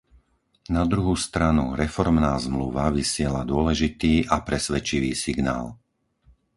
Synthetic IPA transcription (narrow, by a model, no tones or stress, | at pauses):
nad̪ɾuɦust̪ɾanṵɾɛfɔɾmnaːzmluʋaʋisɪɛlad̪ʊɔlɛʒit̪iːʔapɾɛsʋɛt͡ʃiʋiːsiɡna̰ːl